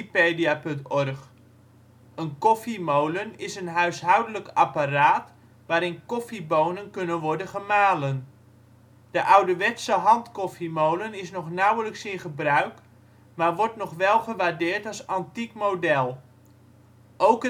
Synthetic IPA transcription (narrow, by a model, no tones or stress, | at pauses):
peːdiapɵntɔrχ | ənkɔfimowlənɪsənɦœɥsɦœwdələkaparaːt | ʋaːɾɪnkɔfibownənkɵnənʋɔɹdənχəmaːlən | d̥əʔawdəʋɛtsəɦɑntkɔfimowlənɪsnɔχnawələksɪnχəbrœɥk | maːɹʋɔɹtnɔχʋɛlˠχəʋaːdɪːɹtɑlˠsɑntikmowdɛlˠ | ʔowk